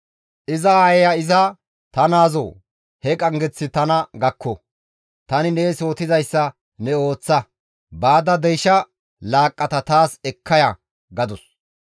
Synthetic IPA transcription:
ʔɪzɐajɛjɐɪzɐ | t̪ɐnaːzo̰ | hɛkʼɐŋɡɛt͡sːɪt̪ɐnɐɡɐkʰːɔ | t̪ɐnɪneːso̞ːt̪ɪzɐjsːɐ | nɛo̞ːt͡sːɐ | baːd̪ɐd̪ɛjʃɐ | laːkʼːɐt̪ɐt̪aːsɛkʰːɐjɐ | ɡɐd̪ɔs

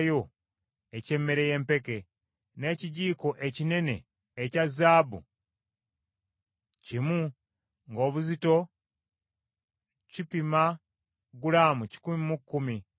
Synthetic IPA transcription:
jo̞ | ece̞mːe̞ɾe̞je̞ːmpe̞ke̞ | ne̞ːciɟiːko̞ʔe̞cine̞ne̞̰ː | cazaːβṵ | cimu | ŋɡo̞ːβuzito̞ | cipima | ɡulaːmuci̥kumimukːumi

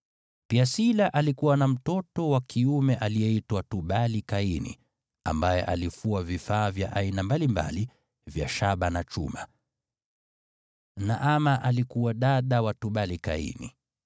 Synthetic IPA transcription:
piasilaʔalikuwanam̩tɔtɔwakʰiumɛʔalijɛitwatuɓalikainḭ | a̰mbajɛ̰ʔalifuavifaːvja̰ʔainambalimba̰li | vja̰ʃaɓanat͡ʃṵma | naʔamaʔalikuwaɗaɗawatuɓalika̰ḭnḭ

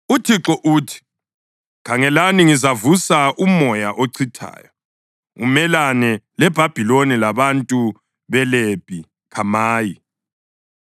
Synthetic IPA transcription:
utʰiǁɔʔutʰi̥ | kʰaŋɛlaniŋizavusaʔumɔjaʔoǀʰitʰa̰ːjɔ | ṵmɛlanɛlɛb̥ʱab̥ʱilonilaβantʼu | βɛleb̥ʱʼi | kʰamaːji

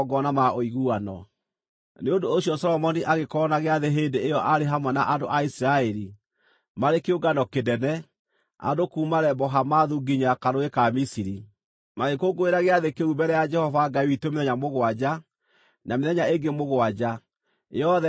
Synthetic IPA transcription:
ɡɔnamaoiɣuanɔ̰ | neondoːɕiɔsɔlɔmɔniʔaɣekɔnaɣeaðeɦendeejɔʔaɾeɦamwɛnaʔandoʔaisiɾaɛɾi | maɾekeoɡanɔkedɛnɛ | a̰dokuːmaɾɛbɔɦamaðuɡiɲakaɾoekamisiɾi | maɣekoɡoeɾaɣeaðekeubɛɾɛjad͡ʒɛhɔvaɡaiwitomeðɛɲamoɣwad͡ʑa | nameðɛɲaeŋɡemoɣwad͡ʒa | ɔðɛ

